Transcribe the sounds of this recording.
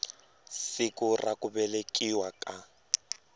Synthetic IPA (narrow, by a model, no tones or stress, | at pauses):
sɪkʊrakʊbɛlekʼiwakʼa